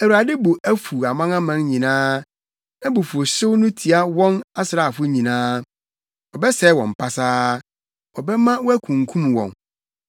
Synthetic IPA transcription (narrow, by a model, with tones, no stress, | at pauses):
æ˨wu˨ɾa˨dɪ˦bo˨ʔæ˦fu˨a˨mã˦ŋã˦mã˦nɲĩ˨nãː˦ | nã˦bo˨fu˨o˨ɕɪ˦wnʊ̃˦tʰi˨a˦wɔ̃˦na˦sɪ˨ɾa˨fʊ˦ɲĩ˨nãː˦ | ɔ˨bɛ˦sɛ˦wɔ̃˨m˨pʰa˦saː˦ | wɔ˨bɛ˦mã˦wɔ˦æ˦kʰũ˨ŋ̩˨kʰũ˦m˨wɔ̰̃˨n